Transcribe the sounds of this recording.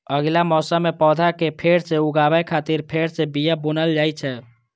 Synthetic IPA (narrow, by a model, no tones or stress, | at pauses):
əɡlamɔsamepɔd̪ʱakepʰeɾseuɡabəjkʰat̪iɾpʰeɾsebijabunəld͡ʒajt͡ʃʰɛ